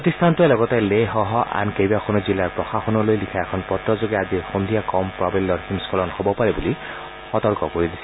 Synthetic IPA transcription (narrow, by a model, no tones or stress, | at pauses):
pot̪ist̪ʰantuɛlɔɡɔtɛleɦɔɦɔʔa̰nkejbaxʰonuzilːaɹpɹɔxaxɔnɔlojlikʰaɛkʰɔnpɔtɹɔzoɡɛazixond̪ʱijakɔmpɹabilːɔɹhimskʰɔlɔnhobɔpaɹɛbuli | xɔt̪ɔɹkɔkoɹid̪isɛ